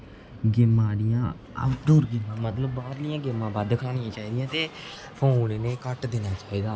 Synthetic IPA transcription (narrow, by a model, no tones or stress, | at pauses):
ɡɪmãːɽɪjãː | ə̰d̪uːɾɡɪmːãːmət̪ləbːaːɾlɪjãːɡɪmãːbaːd̪kʰaːɽɪjãːt͡ʃaːiːd̪ɪjãːt̪eː | pʰoːnːneːkəʈd̪eːnaːt͡ʃaːiːd̪aː